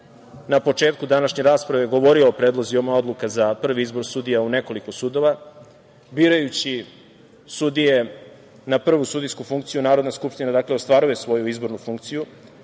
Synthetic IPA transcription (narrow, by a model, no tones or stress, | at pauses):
napo̞t͡ʂe̞ːt̪̚kud̪anaʃɲeɾaːspɾaʋeɡo̞ʋo̞ɾio̞ːpɾed̪lˠo̞ziomao̞d̪lˠukazapr̩ʋiizbo̞ɾsud̪ijaune̞ko̞likosud̪o̞ʋa | biːɾajut͡ɕi | sud̪ije̞ | napr̩ʋusud̪ijskufuŋkt̪sijunaːɾod̪naskupʃt̪inad̪akleo̞st̪ʋaɾuje̞sʋo̞juizbo̞ɾnufuŋk̚t̪siju